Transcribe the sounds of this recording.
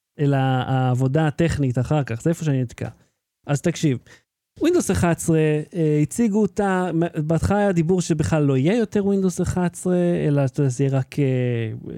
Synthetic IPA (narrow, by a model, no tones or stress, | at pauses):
elaːvo̞daːt̪eχnit̪aχaʁkaχzeefo̞ʃ̬eaninid̪ka̰ | ʔazt̪akʃiv | wind̪ozeχat͡sʁeeit͡siɡuːtambat̪χaːjad̪ibuʁʃebeχlalːo̞ijejo̞teʁwind̪ozeχat͡sʁeḛlat̪d̪at̪ijeʁakʰe